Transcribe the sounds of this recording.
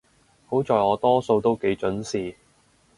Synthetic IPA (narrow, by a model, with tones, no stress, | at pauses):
ho˨˥wt͡sɔː˨˧jɔː˨˧t̪ɔː˥so˧wt̪o˥wke˨˥jt͡ʃɵ˨˥nsiː˨